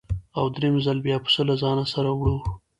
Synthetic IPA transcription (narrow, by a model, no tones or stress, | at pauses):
awd̪ɾemzalbjɑpə̥səlazɑnasaɾawɽu